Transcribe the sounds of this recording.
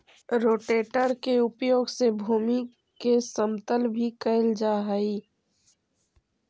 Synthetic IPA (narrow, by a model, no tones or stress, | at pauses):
ɾoːʈeːʈəɾkeʊpjoːɡsebʱuːmi | kesəmt̪əlbʱikəld͡ʒaːɦaiː